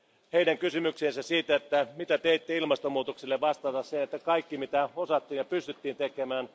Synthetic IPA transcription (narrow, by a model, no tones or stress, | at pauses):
heidæŋkysymykseːnsæssiːt̪æet̪ːæmit̪æt̪eit̪ːeilmɑst̪omuːt̪oksilːeʋʋɑst̪ɑt̪ɑssenet̪ːækɑikːimit̪æosɑt̪ːiːnjɑpyst̪yt̪ːiːnt̪ekemæːn